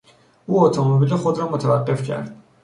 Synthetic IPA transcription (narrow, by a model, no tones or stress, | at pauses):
uːɔt̪ʰɔmobiliχod̪ɾɔmot̪ʰavaqːefcʰæ̰ɾd̪̥